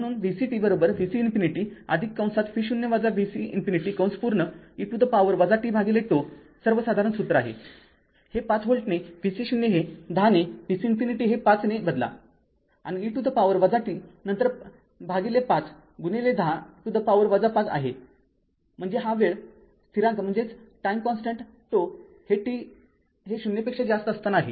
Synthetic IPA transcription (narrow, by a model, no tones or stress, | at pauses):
məɽ̃uːnʋisiʈibəɾobəɾʋisiːnfiniʈiːə̰d̪ʱikːãw̃sat̪fiɕunjəʋad͡zaʋisiinfiniʈiːkə̃w̃sə̥puɾɳəiʈud̪əpaʋəɾʋəd͡zaʈiːbʱaɡileʈo | səɾʋəsad̪ʱaɾənsut̪ɾəaɦḛ | hepat͡sɦoɭʈnefisiɕunjeɦed̪ʱanefisiːnfiniʈiːɦepat͡snebəd̪la̰ | aniːʈ̪ud̪ʱəpaʋəɾʋəd͡zaʈinənt̪əɾ | bʱaɡilepat͡s | ɡuneled̪ʱaʈ̪ud̪ʱəpaʋəɾʋəd͡zapat͡sa̰ɦe | m̤əɳd͡zeɦãʋeɭ | st̪ʰiɾãnt̪m̤əɳd͡zet͡sʈajmkɔnsʈəɳʈ̪ː | o | heʈi | ɦeɕunjəpekʂed͡zast̪əəst̪anaɦḛ